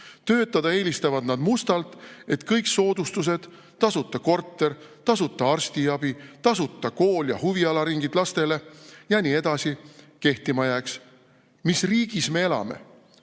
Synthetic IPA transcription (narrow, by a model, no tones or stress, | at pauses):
t̪ø̞ːt̪ːˑɑd̪̥ɑe̞ːlist̪ɑvɑd̪nɑd̪̥must̪ɑlt̪ˑe̞t̪kɤjkso̞ːd̪ust̪us̬e̞d̪̥ | t̪ːɑsut̪ːˑɑko̞rt̪ːe̞rt̪ɑsut̪ːˑɑɑrst̪iɑb̥it̪ɑsut̪ˑːɑko̞ːljɑhuviɑlɑɾiŋɡ̥id̪̥lɑst̪e̞le̞jɑniːe̞d̪̥ɑsi | ke̞ht̪imɑjæːks | misriːɡ̥isme̞e̞lɑ̰me̞̰